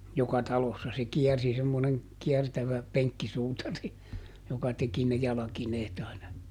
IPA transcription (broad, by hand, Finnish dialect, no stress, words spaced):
jokɑ tɑlosːɑ se kiɛrsi semːoneŋ kiɛrtæʋæ peŋkːisuːtɑri jokɑ teki ne jɑlɑkineːt ɑinɑ